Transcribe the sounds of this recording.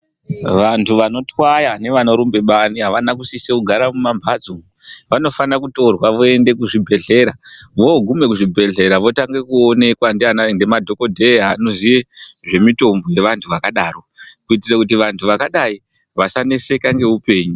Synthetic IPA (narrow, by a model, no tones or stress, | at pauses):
ʋantʰuʋano̞twajane̞ʋanoɾumbe̞ɓaniɦaʋanak̬usisekuɡʱaɾamumambʱad͡zuŋ | ʋano̞fanakuto̞rwaʋoe̞nde̞kuʐibʱe̞ɮe̞ɾaʋo̞ɡʱume̞kuʐibʱe̞ɮe̞ɾaʋo̞taŋɡe̞kuo̞ne̞kwandianande̞madʱo̞ko̞dʱe̞ɦanoziʋe̞ʐe̞mito̞mbo̞je̞ʋantʰuʋakaɗaːro̞kuitirakut̬iʋantʰuʋakaɗai | ʋasanese̞kaŋɡe̞upe̞ːɲu